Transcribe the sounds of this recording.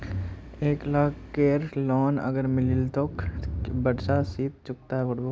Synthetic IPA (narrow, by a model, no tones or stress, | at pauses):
eːklaːkʰːeːɾlɔːnə̰ɡəɾmɪlɪlt̪okbəɽsasiːt̪̚t͡ʃʊk̚t̪aɦɛoɽbo